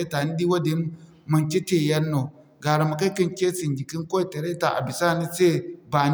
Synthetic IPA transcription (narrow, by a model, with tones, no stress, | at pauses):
ta˨ni˦di˦wa˦di˦ | mɐ˨nt͡ʃi˦te˨jɐ˦nːo˨ | ɡa˨ɾa˨ma˨ka˦ki˦nkʲe˦si˨nd͡ʒi˨ki˦ŋko˦˨te˨ɾe˦ta˨ʔa̰˨bi˨sa˦˨ni˦se˦ba˨n